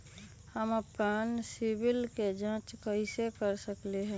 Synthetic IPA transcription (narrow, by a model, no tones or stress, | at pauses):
həməpaːnsɪbɪlked͡ʒãːt͡ʃkəɪsekəɾsəkleɦɛ̃